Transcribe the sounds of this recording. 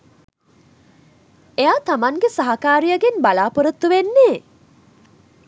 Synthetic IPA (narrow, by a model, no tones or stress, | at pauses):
ejaːt̪amaŋɡesaɦakaːɾijəɡenbalaːpəɾət̪ːuʋenːeː